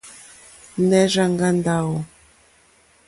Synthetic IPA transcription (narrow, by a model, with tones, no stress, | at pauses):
nɛ˦ʒa˦ŋɡa˦nda˦ɣɔ˨